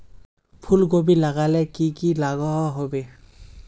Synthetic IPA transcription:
pʰulɡobilaɡalɛkikilaɡɔɦɔɦobɛ

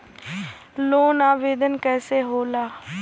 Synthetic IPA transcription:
loːnaːʋeːd̪ənkɛːseːɦoːlaː

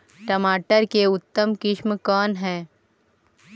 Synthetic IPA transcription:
ʈəmaːʈəɾkeʊt̪ːəmkɪʃmkɔːnɦɛ̃ː

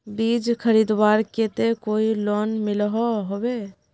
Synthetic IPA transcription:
bid͡ʒkʰəɾid̪waɾket̪ekoilonmilɦɔɦobe

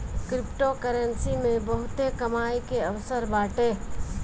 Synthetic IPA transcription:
kɾɪpʈokəɾənsimẽbəɦʊt̪ekɐmaːikeəʋsəɾbaːʈeː

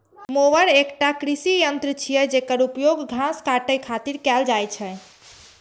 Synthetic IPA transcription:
moʋəɾekʈakɾisijənt̪ɾət͡ʃʰijɛd͡ʒekəɾupjoɡɡʱãskaʈəjkʰat̪iɾkɛld͡ʒajt͡ʃʰɛ

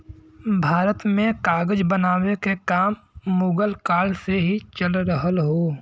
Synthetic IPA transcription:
bʱaːɾət̪mẽkaːɡəd͡ʒbənaːwekekaːmːʊːɡəlkaːlseɦit͡ʃəlɾəɦəlɦoː

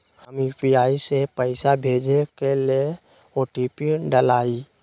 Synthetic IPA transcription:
həmiːpiaːisepəɪsabʱeːd͡ʒekele | oːʈipiɖəlaːi

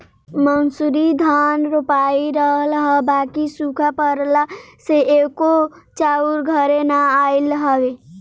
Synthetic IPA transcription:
mənsuɾid̪ʱanɾopaiɾəɦəlɦəbaːkisukʰapəɾlaseeko | t͡ʃauɾɡʱəɾenaailɦəwe

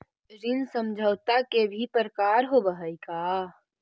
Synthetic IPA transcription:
ɾɪnsəmd͡ʒʱəwt̪akebʱipəɾkaːɾɦobəɦəikaː

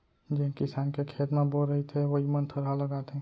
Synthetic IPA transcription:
d͡ʒeɦkɪsaːnkekʰeːt̪mãbolɾəɦit̪ʰeʋoɦimənt̪ʰəɾaləɡaːt̪ɛ̃ː

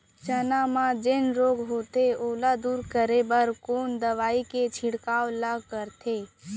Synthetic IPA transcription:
t͡ʃənamãd͡ʒenɾoːɡɦoːt̪eoːlad̪uːɾkəɾebəɾkoːnd̪əʋaːiket͡ʃʰɪɽkaːʋlaɡkəɾt̪ʰe

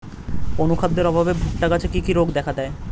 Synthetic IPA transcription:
onukʰad̪ːeɾɔbʱabebʱuk̚ʈakat͡ɕʰekikiɾoɡd̪ɛkʰad̪ɛe

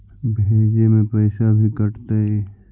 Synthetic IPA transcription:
bʱeːd͡ʒemẽpɛɪsabʱikəɾt̪aɦɛ

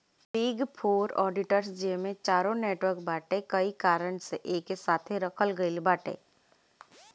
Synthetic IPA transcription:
piːɡpʰoːɾɔ̰ːɖɪʈəɾsd͡ʒemẽt͡ʃaːɾõneːʈwəɾk̚baːʈekɐikaːɾənseʔeːkːesaːt̪ʰeɾɐkʰəlɡəilbaːʈḛː

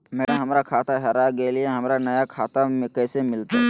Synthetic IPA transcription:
mɛːɽaɦɐmɾakʰaːt̪aɦɛɾaɡelieɦɐmɾanɐjakʰaːt̪amẽkɛːsemɪlt̪aɦɛ

